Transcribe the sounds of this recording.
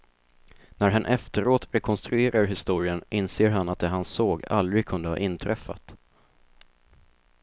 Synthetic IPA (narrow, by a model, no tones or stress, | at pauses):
næɾɦanʔɛft̪əɾoːt̪ɾɛkʰɔnst̪ɾɵeːɾʔaɾɦɪst̪uːɾɪənʔɪnseːɾɦanat̪̚d̪ɛɦansoːɡa̰ld̪ɾɪɡ̚kʰɵnd̪əvɑ̰ːʔɪnt̪ʰɾɛfːa̰t̪